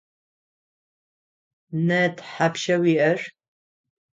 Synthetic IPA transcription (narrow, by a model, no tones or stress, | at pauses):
nɐtʰħapʃɐwiːʔɐr